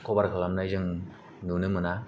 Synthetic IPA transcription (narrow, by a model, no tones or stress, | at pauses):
kʰobaɾkʰɯlamnajzɯŋ | nunɯmɯna